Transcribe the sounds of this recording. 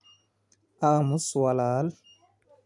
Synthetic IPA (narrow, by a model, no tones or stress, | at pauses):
amuswalaːl